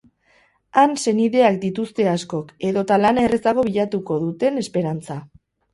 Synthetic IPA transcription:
anse̞niðe̞ak̚d̪it̪ust̪e̞asko̞ke̞ðo̞t̪alanaeresaɣ̞o̞βiʎat̪uko̞ðut̪e̞ne̞spe̞ɾant͡sa

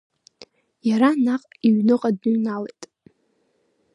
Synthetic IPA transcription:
jaɾanaqʼiɥnɨqʼadnɨɥnalejtʼ

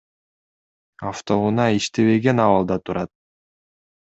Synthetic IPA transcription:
aft̪o̞unɑiʃt̪eβeɡe̞nɑβɑlˠd̪ɑt̪ʰuɾɑt̪̚

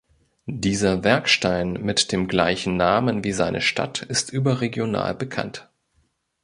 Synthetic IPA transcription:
diːzɐvɛɐkʃtaɪnmɪtd̥eːmɡlaɪçn̩naːmənviːzaɪnʔəʃtʰa̰tɪstʔyːbɐʁeɡjona̰ːlbəkʰa̰nt

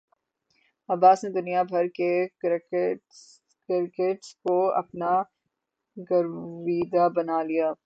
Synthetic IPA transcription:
ɐbaːsned̪ʊnijabʱɐɾkek | kɪɾɪkeʈskoɐ̰pna | ɡɐɾʋiːd̪abɐnaːlijaː

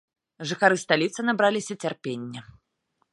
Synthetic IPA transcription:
ʐɨxaɾɨst̪alʲit̪sɨnabɾalʲisʲɐt͡sʲɛrpʲenʲːɛ

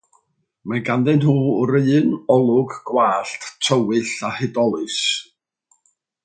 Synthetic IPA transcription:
maɡandɛnɦuːɾenɔlˠʊɡɡ̥waːɬttʰəwɨɬahɪdɔlˠɨs

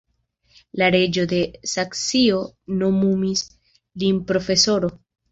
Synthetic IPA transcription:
laɾe̞d͡ʒo̞d̪e̞saksio̞nomumis | linpɾo̞fe̞so̞ɾo̞

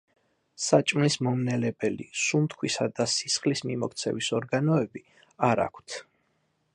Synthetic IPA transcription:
sat͡ʃʼmlismɔmnɛlɛbɛlḭsumt̪ʰkʰwisad̪asisχlismimɔkʰt̪sʰɛ̰visɔɾɡanɔɛbi | aɾa̰kʷʰt̪ʰ

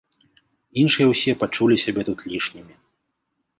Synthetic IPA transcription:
inʂɨjɛwsʲɛpat͡ʂulʲisʲabʲɛt̪ut̪lʲiʂnʲimʲi

